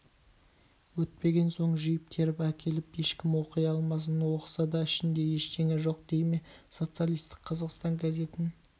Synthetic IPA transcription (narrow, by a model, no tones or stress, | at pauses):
wɵt̪̚pe̞ɡʲe̞nso̞ɴʒijɪp̚t̪ʰe̞ɾɪpækʲʰe̞lɪpje̞ʃkʲɪmwo̞qijɑlˠmɑs̬ənwo̞qə̥sɑd̪ɑɪʃɪnd̪e̞je̞ʃt̪ʰeŋeʒo̞q̚d̪̥e̞jme̞so̞t̪sɨjalʲijst̪ɪ̥kqʰːɑzɑqst̪ɑŋɡaze̞t̪ɪn